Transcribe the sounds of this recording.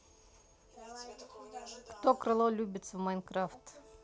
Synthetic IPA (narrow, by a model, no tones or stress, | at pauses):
kt̪okɾɨlˠolʲubʲɪt̪səvmajnkɾaft̪